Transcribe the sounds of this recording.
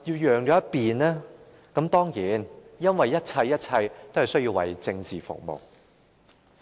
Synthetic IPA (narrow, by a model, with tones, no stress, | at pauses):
jiː˧wjœː˨ŋt͡ʃɔː˨˥jɐ˥t̚piː˨nlɛː˥ | kɐ˨˥mt̪ɔː˥ŋjiː˨˥njɐ˥nwɐ˨jːɐ˥t̚t͡sʰɐ˧jːɐ˥t̚t͡sʰɐ˧jt̪o˥whɐ˨˩jsɵ˥ɥjiː˧wɐ̰˨˩jt͡sɪ˧ŋt͡siː˨˩fʊ̰˨˩k̚mo̰˨˩w